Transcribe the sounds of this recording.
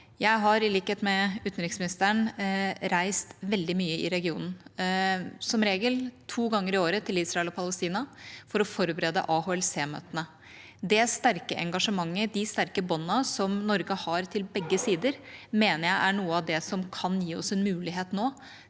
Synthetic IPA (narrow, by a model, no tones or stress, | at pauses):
jæɪɦɑɾɪliːkəheːt̪mɛʉːt̪n̩ɾɪksmɪnɪst̪əɳɾæɪst̪ʋɛld̪ɪmyːəɪ̰ɾɛɡɪṵːnn̩ | sɔmɾeːɡəlt̪ʰuːɡɑŋːəɾɪoːɾət̪ʰɪliːsɾɑɛlɔpʰɑləst̪iːnɑfɔɾɔfɔɾbəɾɛːd̪ə̰ʔɑhoːɛlseːmø̰ːt̪ənə | d̪ɛst̪æɾkəʔɛ̰ŋɡɑʂəmɑŋːəɾɖ̪ɪst̪æɾkəbɔnːɑsɔmnɔɾɡəhɑɾt̪ʰɪlbɛɡːəsiːd̪əɾmeːnəɾjæɪʔæɳuːəɑʋd̪ɛsɔmkʰɑnjiːɔ̰sɛnmʉːlɪɦeːt̪noː